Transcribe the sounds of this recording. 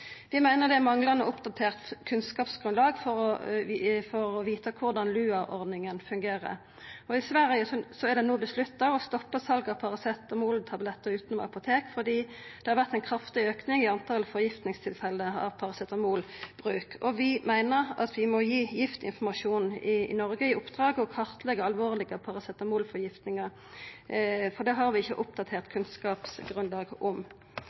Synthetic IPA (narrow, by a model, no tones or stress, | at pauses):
ʋɪmæɪnəʁd̪ɛæmɑŋlɑnəʊpd̪ɑt̪ʰeːʁt̪kʰʉnskɑːpsɡ̥ʁʉnlɑːɡfɔɾɔ | fɔɾɔʋiːt̪əkʰʊʁd̪ɑnlʉːɑʔɔʁd̪nɪŋənfʉŋɡeːʁə̰ʁ | ɔɪsʋæɾəəsɔsɔæʁd̪ɛnuːb̪ɪslʉt̪ːɑʋɔst̪ɔpːəsɑlɡɑʋpʰɑʁɑsɛt̪ːɔmoːlt̪ʰɑblɛt̪ːəʁʉːt̪nɔm̰ɑ̰pʊt̪ʰeːkfɔd̪iː | d̪̥ɛhɑʁʋæʁt̪æɪnkʰʁɑft̪ɪøːknɪŋɪɑnt̪ʰɑlfɔʁjɪft̪nɪŋst̪ʰɪlfɛlːəɑ̰ʋpʰɑʁɑsɛt̪ːɔmuːlb̥ʁʉːkʰɔʋɪmæɪnəʁɑ̰t̪ʋɪmɔjiːjɪft̪ɪ̰nfɔmɑʂuːnɪɪ̰nɔʁɡəɪʔʊpd̪̥ʁɑːɡəɔkʰɑʁt̪əlɛɡəɑlʋoːʁlɪɡəpʰɑʁɑsɛt̪ːɔmuːlfɔʁjɪft̪nɪŋəʁ | fɔʁd̪ɛɦɑɾʋɪɪçːəʔʊpd̪ɑt̪ʰeːʁt̪kʰʉnskɑːpsɡʁʉnlɑːɡʔʊm